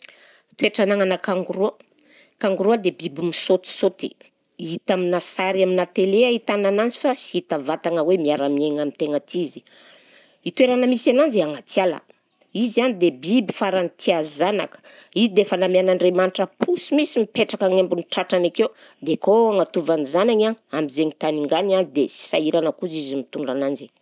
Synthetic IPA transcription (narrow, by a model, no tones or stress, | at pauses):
t̪ueʈ͡ʂanaŋanakaŋɡuɾuə | kaŋɡuɾuad̪ebibimisot̪i̥sot̪i | it̪aminasaɾaminat̪eleait̪ananand͡zi̥fasi̥it̪avat̪aŋəwemiaɾamieŋamint̪eŋət̪izi̥ | it̪ueɾanəmisanand͡zeaŋat͡sjalə̰ | izanid̪ebibi̥faɾanit̪ʰiazana̰kə̥izid̪efanamianaɳɖ͡ʐemaniʈ͡ʂəpʰusimisimipeʈ͡ʂakaŋembuniʈ͡ʂaʈ͡ʂanakewd̪ekoaŋat̪uvanizanaɲaamizeŋit̪aniŋɡananid̪esi̥saiɾanəkuzizimit̪uɳɖ͡ʐanand͡ʒi